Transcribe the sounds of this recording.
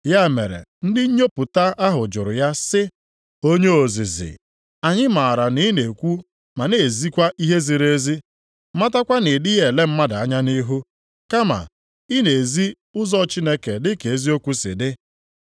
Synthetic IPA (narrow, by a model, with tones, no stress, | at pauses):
ja˦˨mḛ˨ɾḛ˨n̩˦dɪ˦ɲ̩˦ɲo˦pʊ˨ta˦ʔa˦ɦʊ˨d͡ʒʊ˨ɾʊ˨ja˦sɪ˦ | o˦ɲe˦o˨zi˨zɪ̰˨ | a˨ɲɪ˦ma˨ɾa˨ni˦ne˨kʷu˦ | ma˨ne˨e˨zi˦kʷa˦ʔi˦ɦe˦zi˨ɾe˦zi˦ | ma˦ta˦kʷa˦nɪ˨dɪ˦je˨le˦m̩˦ma˦da˨a˦ɲa˦ni˦ɦu˦ | ka˦ma̰˨ | i˦ne˨zi˦ | ʊ˦zɔ˦˨t͡ʃi˦ne˦ke˨dɪ˦ke˨e˦zi˦o˦kʷu˦sɪ̰˨dɪ˦